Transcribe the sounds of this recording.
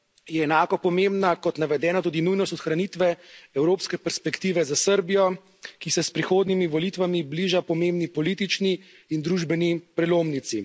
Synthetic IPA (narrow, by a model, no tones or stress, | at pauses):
jɛːnaːkɔpɔmembnakɔt̪naʋɛd̪ɛːnat̪uːd̪inujnɔst̪ɔt̪xɾanit̪ʋɛɛwɾoːpskɛpɛɾspɛkt̪iːʋɛzasəɾbijɔ | kisɛspɾixoːd̪nimiʋɔliːt̪ʋamibliːʒapɔmeːmbnipɔliːt̪it͡ʃniː | nd̪ɾuːʒbɛnipɾɛloːmnit̪si